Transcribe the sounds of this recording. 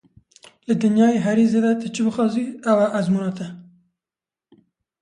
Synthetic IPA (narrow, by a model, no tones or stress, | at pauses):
lɨd̪ɨnjɑːjeːɦɛɾiːzeːd̪ɛt̪ɨt͡ʃʰɨbɨxɑːziɛwæʔæzmuːnɑːt̪ʰɛ